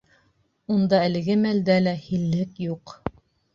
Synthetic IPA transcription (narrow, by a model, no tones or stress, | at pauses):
und̪ɑælɘ̆ɡɘmæld̪ælæhilːɘkjuq